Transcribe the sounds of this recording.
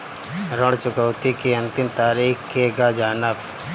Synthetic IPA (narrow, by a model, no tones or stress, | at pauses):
ɾəɽt͡ʃʊkəwt̪ikeɐnt̪ɪmt̪aːɾiːkkeɡad͡ʒaːnəp